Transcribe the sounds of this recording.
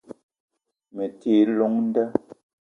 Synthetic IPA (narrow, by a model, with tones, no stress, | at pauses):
me˨teː˨˦lɔ˨˦ŋn̩˦dɛ˦